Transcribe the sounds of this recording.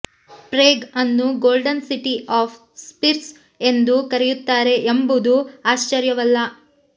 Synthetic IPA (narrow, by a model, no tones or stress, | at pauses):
pɾeːɡɐnːuɡoːlɖɐnsiʈiaːp | spiɾs | e̞nd̪ukɐɾejut̪ːaːɾe̞ʔembud̪uaːʃt͡ʃɐɾjɐʋɐlːɐ